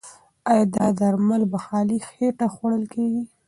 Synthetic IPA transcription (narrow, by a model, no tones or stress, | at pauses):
ajɑd̪ɑd̪aɾmalbaxɑlixeʈaxwaɽəlkeɡi